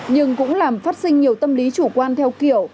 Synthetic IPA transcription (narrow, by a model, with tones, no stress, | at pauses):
ɲɨ˧ŋkʊ̰˧˥ŋ͡mlaː˨˩mfaː˦˥t̚sï˧ŋ̟ɲi˨˩əwt̪ə˧mli˨˦t͡ɕu˧˩kwaː˧nt̪ʰɛ˧wki˧˩˨əw